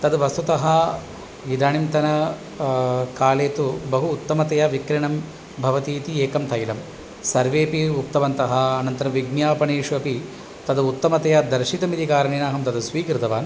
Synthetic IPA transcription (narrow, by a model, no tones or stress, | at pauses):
t̪ɐd̪ʋɐst̪ut̪ɐɦɐ | ʋid̪aːɳimt̪ɐnɐ | kaːleːt̪ubɐɦuːt̪ːɐmɐt̪ɐjɐʋikɾiɳɐm | bʱɐʋɐt̪iːt̪ieːkɐmt̪ʰɐjlɐm | sɐɾʋeːpiuk̚t̪ɐʋɐnt̪ɐɦɐ̆ːnɐnt̪ɐɾɐʋiɡnjaːpɐɳeːʂʋɐpi | t̪ɐd̪ut̪ːɐmɐt̪ɐjɐd̪ɐɾʃit̪ɐmid̪ikaːɾɐɳeːnaːɦɐmt̪ɐd̪ɐsʋiːkɾɨt̪ɐʋaːn